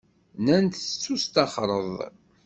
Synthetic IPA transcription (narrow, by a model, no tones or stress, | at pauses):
nænt̪t͡sːust̪ɑχɾˤəðˤ